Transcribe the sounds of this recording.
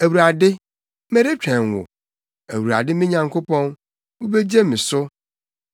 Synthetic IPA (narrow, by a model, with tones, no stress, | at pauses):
æ˨wu˨ɾa˨dɪ˦ | me˦ɾe˦t͡ɕᶣæ̃˨n˨wʊ̰˨ | æ˨wu˨ɾa̰˨dɪ˦mɪ̃˦ɲã˨ŋkʰo˦pʰɔ̃˦n | wu˦be˦d͡ʑe˦mĩ˨sʊ˦